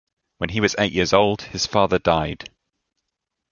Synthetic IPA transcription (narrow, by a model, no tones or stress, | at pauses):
wə̃niwɒzḛɪʔjʔɪəzoʊlˠd̥hɨz̥fɑːðədaɪd̥